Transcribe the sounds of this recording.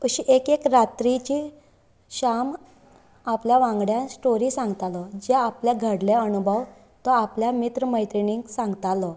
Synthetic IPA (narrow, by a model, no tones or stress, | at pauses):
kəɕiʔekekɾat̪ɾit͡ɕiː | ɕam | apljaʋãŋɡɽjãsʈoɾiːsãŋɡt̪alɔd͡ʑɛapljaɡʱəɽleənubʱəw | t̪ɔapljamit̪ɾəməjt̪ɾiniŋɡsãŋɡt̪alɔ